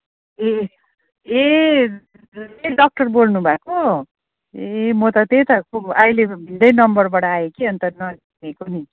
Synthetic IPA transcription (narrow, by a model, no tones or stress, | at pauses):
e | e | eɖʌk̚ʈʌrbolnubʱako | emʌt̪ʌt̪et̪ʌkuʌjlebʱind̪ʌjnʌmbʌrbʌɽʌajekiʌnt̪ʌnʌ | ekoni